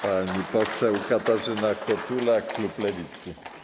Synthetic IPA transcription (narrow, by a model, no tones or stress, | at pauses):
paɲipɔsɛwkat̪aʐɪnakɔt̪ulakluplɛvʲit̪sɨ